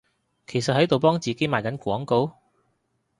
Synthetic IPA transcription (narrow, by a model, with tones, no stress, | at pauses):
kʰe˨˩jsɐ˨t̚hɐ˨˥jt̪o˨wpɔː˥ŋt͡siː˨ke˨˥jmaː˨jkɐ˨˥nkʷɔː˨˥ŋko˧˥w